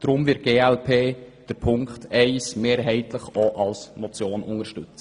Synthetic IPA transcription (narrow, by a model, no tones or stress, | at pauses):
d̥ɾʊmvɪt̚ɡ̥eːɛlpʰeːd̥əɾpʰʊŋkχt̪ɛɪsmeːɾɦɛɪtləχɔʔɑlsmɔt͡sjoːnʔʊŋəɾʃtʉt͡sə